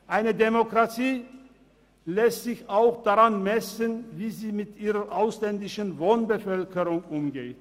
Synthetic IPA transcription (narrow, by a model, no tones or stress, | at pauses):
ʔaɪnədemokʁ̥atʰiː | lɛstz̥ɪçaʊxd̥aʁanmɛsənviːziːmɪtʔiːʁɐʔaʊslɛndɪʃənvoːnbəfœlkəʁʊŋʔʊmɡeːt